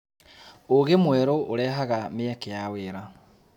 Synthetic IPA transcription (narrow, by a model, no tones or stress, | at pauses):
oɣemwɛɾoʔoɾɛːɦaɣameɛkejaweːɾa